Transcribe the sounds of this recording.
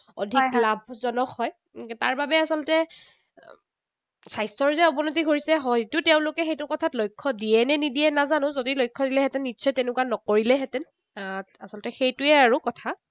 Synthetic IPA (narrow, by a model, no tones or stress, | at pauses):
ɔ̰dʱiklab̚ʱzɔnɔkːɔj | taɹbabɛasɔlɔtɛ | sajstɔɹzɛɔbɔnotiɡʱoɹisɛɦɔjtʊtɛʊ̃lʊkɛxejtʊkɔtʰatlojkʰːɔdiɛnɛnidijɛnazanʊ̃zodilojkʰːɔdilɛɦɛtɛnːitːsʰɔjtenɛkuanɔkoɹilɛɦɛtɛn | asɔlɔtɛxejtʊɛaɹukɔtʰa